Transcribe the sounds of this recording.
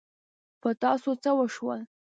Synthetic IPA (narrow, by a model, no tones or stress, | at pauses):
pət̪ɑsot͡səwəʂwəl